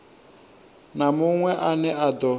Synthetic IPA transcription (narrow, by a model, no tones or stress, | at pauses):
namuŋwɛʔanɛad̪ɔ